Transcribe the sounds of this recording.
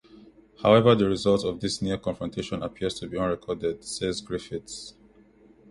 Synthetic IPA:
haʊɛvəðəɹizʌlˠtɔvðisniəkʰɔ̃nfɹɔ̃ntʰeʃɔ̃napʰiəz̥tʰubiʌ̃nɹɛkʰɔdɛd̥sezɡɹifits

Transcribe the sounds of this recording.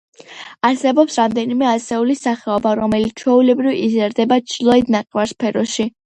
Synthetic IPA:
aɾsɛbɔpsɾamd̪ɛnimɛasɛulisaχɛɔbaɾɔmɛlit̪sʰt͡ʃʰɛulɛbɾivizɛɾd̪ɛbat͡ʃʰlˠɔid̪naqʼvaɾspʰɛɾɔʃi

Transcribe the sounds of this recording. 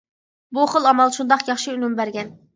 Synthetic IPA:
buχəlˠɑmɑlˠʃund̪ɑqjɑχʃiynumbæɾɡʲɛn

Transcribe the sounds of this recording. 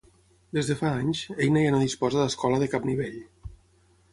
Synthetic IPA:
d̪ezðəfaaɲsejnəjanoðispɔzaðəskɔləðəkapniβ̞eʎ

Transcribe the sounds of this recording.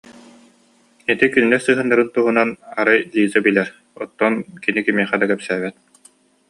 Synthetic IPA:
it̪ikynilɛɾsɯːɦɯnːaɾɯnt̪uɦunanaɾɯjlʲiːzabilɛɾ | ɔt̪ːɔnkinikimiɛχɛd̪akɛpsæːβɛt̪̚

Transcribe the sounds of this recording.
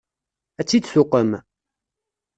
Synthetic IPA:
æt͡sːid̪θʊqəm

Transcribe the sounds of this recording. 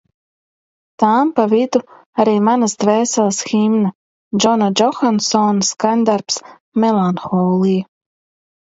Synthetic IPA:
t̪aːmpavid̪u | aɾiːmanasd̪vɛːsɛlˠsximna | d͡ʒɔnad͡ʒɔxansɔnskanʲd̪aɾps | mʲɛlˠanxɔːlˠij

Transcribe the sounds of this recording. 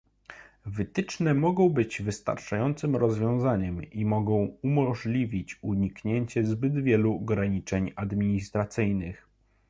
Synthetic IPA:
vɘt̪ɘt͡ʂnɛmɔɡɔ̃w̃bɘd͡ʑvɘst̪a̰ɾt͡ʂajɔnt̪sɘmɾɔzvʲjɔ̃w̃zaɲɛmimɔɡɔ̃w̃umɔʐlʲivʲit͡ɕuɲikɲeɲt͡ɕɛzbɘd̪vʲjɛluɔɡɾaɲit͡ʂɛɲad̪mʲiɲist̪ɾat̪sɘjnɘx

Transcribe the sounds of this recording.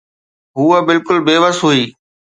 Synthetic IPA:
ɦuːəbɪlkʊlbeːʋəsɦuiː

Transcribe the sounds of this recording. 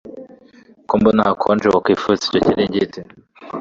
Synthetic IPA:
kombonakʰond͡ʒookifuzi̥cociniɲɟite

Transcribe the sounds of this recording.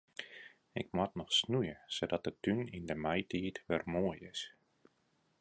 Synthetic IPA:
ɪk̚mɔtnɔxsnujəsodɔt̚dətynindəmajtʰiətʋɛrmoəjɪs

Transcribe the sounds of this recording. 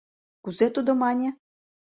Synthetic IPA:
kuzet̪ud̪ŏmɑnʲĕ

